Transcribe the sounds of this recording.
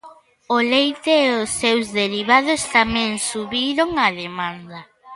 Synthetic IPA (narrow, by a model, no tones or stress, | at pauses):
ʊlejt̪eːʊsːewzðeɾiβaðʊst̪amɛ̃ŋsuβiɾoŋaðemãnd̪ɐ